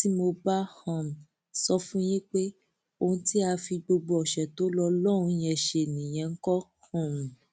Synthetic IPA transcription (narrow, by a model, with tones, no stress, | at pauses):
ti˦mo˧ba˦hã˨m̩̃˨ | sɔ˦fũ˦jĩ˦k͡pe˦ | o˧hũ˧˦ti˦a˧fi˧ɡ͡bo˧ɡ͡bo˧ɔ˨ʃɛ˨to˨˦lɔ˧lɔ˦ɾ̃ũ˧˦jɛ˧˨ʃe˧˨nĩ˨j̃ɛ̃˧ŋ̩˦kɔ˦hã˨mũ˨